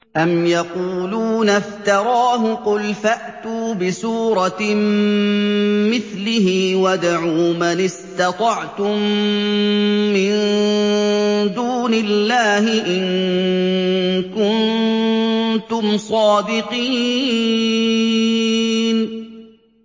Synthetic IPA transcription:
ʔamjɑquːluːnaft̪ɑɾˤɑːɦʊqʊlfaʔt̪uːbɪsuːɾˤɑ | mɪθlɪhiwad̪aʕuːmanɪst̪ɑt̪ˤɑʕt̪ʊm | ɪn | d̪uːnɪlːaːhɪʔɪn | kʊn | t̪ʊmsˤɑːd̪ɪqiː | n

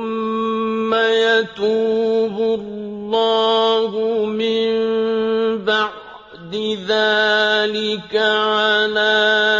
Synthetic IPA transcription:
ʊmː | ajat̪uːbʊlːɑːhʊmɪmm | baʕ | d̪ɪðaːlɪkaʕalaː

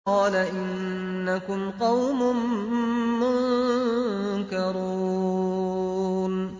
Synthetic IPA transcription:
ɑːlaʔɪnː | akʊmqɑwmʊː | ʊn | kɑɾuː | n

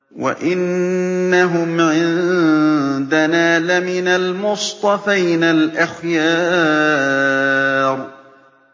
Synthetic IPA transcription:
wa̰ʔɪnːaɦʊmʕɪn | d̪anaːlamɪnalmʊst̪ˤɑfajnalʔaxjɑː | ɾˤ

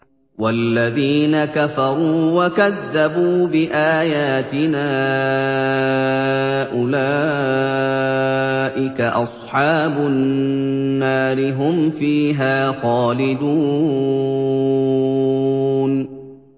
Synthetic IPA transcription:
walːaðiːnakafɑɾˤuːwakaðːabuːbɪʔaːjaːt̪ɪnaː | ʔʊlaː | ʔɪkaʔɑsˤħɑːbʊnː | aːɾɪɦʊmfiːɦaːxaːlɪd̪uː | n

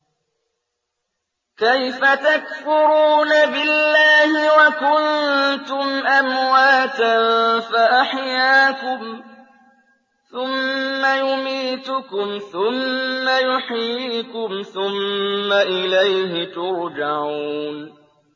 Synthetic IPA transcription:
kajfat̪akfʊɾuːnabɪlːaːhɪwakʊnt̪ʊmʔamwaːt̪anfaʔaħjaːkʊm | θʊmːajʊmiːt̪ʊkʊmθʊmːajʊħjiːkʊmθʊmːaʔɪlajhɪt̪ʊɾd͡ʒaʕuːn

